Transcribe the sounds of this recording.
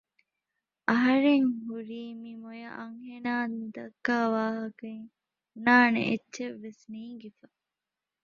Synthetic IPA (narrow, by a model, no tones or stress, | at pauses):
ʔɐɦɐɾeŋɦuɾiːmimojɐʔɐŋhenaːd̪ɐkːaːʋaːɦɐkɐŋ | unaːnḛʔet͡ʃːʃeʋːesniːŋɡefɐ